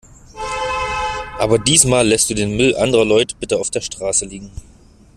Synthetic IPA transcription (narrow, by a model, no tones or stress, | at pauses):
ʔaːbɐdiːsmaːlːɛst̚d̥uːdeːnmʏlʔandəʁɐlɔʏtə̥b̥ɪtəaʊfd̥eːɐʃtʁ̥aːsəliːɡŋ̩